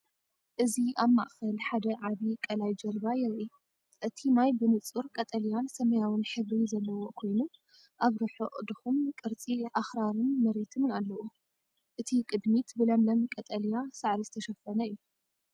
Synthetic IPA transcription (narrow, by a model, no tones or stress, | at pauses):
ʔɨziaβma̰ʔfɐlħad̪ɐʕaβikʼɐlajd͡ʒɐlbajɛɾʔi | ʔɨt̪ʰimajbɨnɨt͡sʼuɾkʼɐt̪ʼɐlijansɐmɐjawɨnħɨβɾizɐlːɐwo̞kʰo̞jnu | ʔaβɾɨħuʔʼd̪ɨxumkʼɨɾt͡sʼiʔaxɾaɾɨnmɐɾet̪ʰɨmnalːɐʔu | ʔɨt̪ʰikʼɨd̪mit̪bɨlɐmlɐmkʼɐt̪ʼɐlijasaʕɾizɨt̪ʰɐʃɐfːɐnɐɨjːu